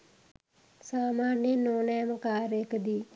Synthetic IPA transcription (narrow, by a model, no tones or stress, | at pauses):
saːmaːnenoːnɛːmkaːɾekd̪iː